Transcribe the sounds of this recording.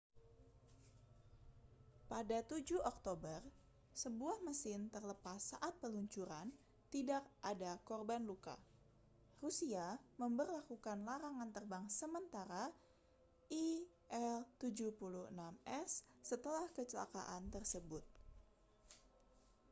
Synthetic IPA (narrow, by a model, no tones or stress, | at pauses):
padat̪ud͡ʒuɔk̚t̪obər | səbuahməsɪnt̪ərləpasːa̰ʔat̪̚pəluɲt͡ʃuɾan | t̪idak̚adakɔrbanluka̰ | rusiaməmbərlakukanlaɾaŋant̪ərbaŋsəmənt̪aɾa | ʔi | ʔɛlt̪ud͡ʒupuluhənamɛsː | ət̪əlahkət͡ʃəla̰ka̰ʔant̪ərsəbʊt̪̚